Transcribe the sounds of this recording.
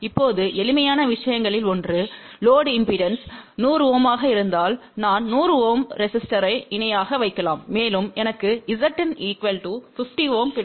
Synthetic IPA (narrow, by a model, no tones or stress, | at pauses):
ɪpːoːðɯʔɛlɪmɐjaːnɐʋɪʂɐjɐŋɡɐɭɪlɔndrɯloːɽɪmpɪɖɐnsnuːɾɯʋoːmaːɣɐɪɾɯnd̪aːlnaːnnuːɾɯʋoːmɾɛsɪsʈɐɾɐɪɪnɐjaːɣɐʋɐɪkːɐlaːmːeːlɯmɛnɐkːɯɪsɐʈːɪniːkʋɐlʈufɪfʈiʋoːmkɪɽ